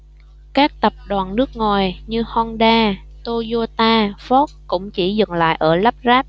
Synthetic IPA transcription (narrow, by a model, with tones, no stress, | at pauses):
kaː˦˥k̚t̪ə˨˩p̚ɗwaː˨˩nnɨ˦˥ək̚ŋo˨˩jɲɨ˧hɔ˧nɗaː˧ | t̪o˧zo˧t̪aː˧fɔ˦˥t̚kʊ̰˧˥ŋ͡mt͡ɕi˧˩zɨ˨˩ŋla̰ː˧˨jʔəː˧˩lə˦˥p̚zaː˦˥p̚